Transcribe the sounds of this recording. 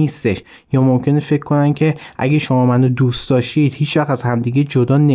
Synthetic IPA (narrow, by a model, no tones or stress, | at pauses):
iːst̪e̞ʃ | jɒːmomcʰe̞nefe̞cʰːo̞næncʰe̞ʔæ̰ɟeʃo̞mɒːmænod̪ust̪d̪̥ɒːʃt̪id̪hiːt͡ʃʰvæχt̪æzhæmd̪iːɟed͡ʒod̪ɒːne